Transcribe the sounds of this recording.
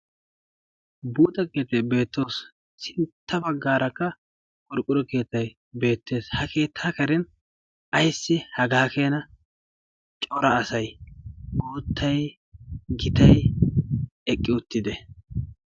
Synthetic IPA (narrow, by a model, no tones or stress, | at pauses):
buːt̪ɐkeːt̪ːɐjbe̞ːt̪ːo̞ːs | sɪnt̪ːɐbɐɡːaːɾɐkːɐ | kʼɔɾkʼːʊɾɔke̞ːt̪ːɐj | be̞ːt̪ːe̞ːshɐke̞ːt̪ʰːaːkɐɾɛn | ɐjsːɪhɐɡaːke̞ːnɐ | t͡ʃʼɔɾɐːsɐj | oːt̪ʰːɐj | ɡɪt̪ɐj | ɛkʼːɪʊt̪ːɪd̪ɛ